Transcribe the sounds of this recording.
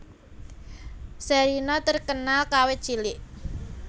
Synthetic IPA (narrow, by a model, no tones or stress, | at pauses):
sɛɾinɔt̪ərkənalkawed̥ʒ̥ilɪʔ